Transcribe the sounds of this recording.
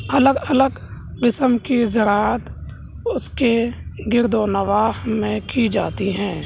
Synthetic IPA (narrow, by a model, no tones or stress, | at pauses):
ələɡələɡ | qɪsəmkizəɾaːət̪ | ʊskeɡɪɾd̪onəʋaːɦmẽkid͡ʒaːt̪iɦɛ̃ː